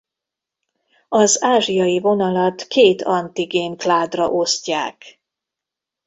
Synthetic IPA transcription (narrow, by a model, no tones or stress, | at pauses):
ɒzaːʒijɒjivo̞nɒlɒt̪kʰeːt̪ʰɒnt̪iɡeːŋklaːd̪rɒ̰ʔosca̰ːk